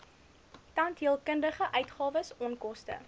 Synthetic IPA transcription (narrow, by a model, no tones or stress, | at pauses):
tɐntɦiəlˠkəndəχəʔœɥtχɑːvəsɔnkɔstə̰